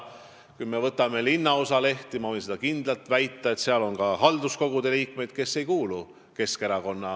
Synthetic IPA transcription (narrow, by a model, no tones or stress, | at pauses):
kujme̞vɤt̪ːˑɑme̞linːɑo̞sɑle̞ht̪imɑvɤjnse̞d̪ɑkind̪̥lɑlt̪væjt̪ˑːɑe̞t̪seɑlo̞nkɑɦɑld̪usko̞ɡ̥ud̪̥e̞liːkme̞jd̪̥̚ke̞sːe̞jkuːlu | ke̞ske̞ɾɑko̞nːɑ